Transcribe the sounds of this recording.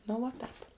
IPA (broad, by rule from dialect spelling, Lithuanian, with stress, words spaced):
nʊ ʋuɔ ˈtɑːp